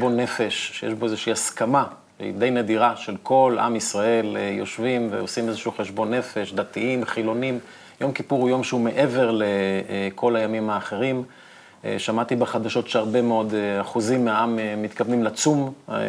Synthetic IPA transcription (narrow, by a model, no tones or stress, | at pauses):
bonːefe̞ʃʃejḛʃbo̞ezeʃiaskama | ʃeḭd̪ejned̪iʁaʃe̞lkʰo̞lʔa̰misʁae̞ljo̞ʃvimvḛosimezeʃuχe̞ʃbo̞nːe̞fe̞ʃd̪at̪iimχilo̞nim | jo̞mkipuʁhujo̞mʃeume̞ʔe̞ve̞ʁlekʰo̞lajamimhaːχe̞ʁim̰ | ʃamat̪ibeχad̪aʃo̞tʃeaʁbe̞meo̞d̪eaχuzimːeaʔamemit̪kavnimlat͡sum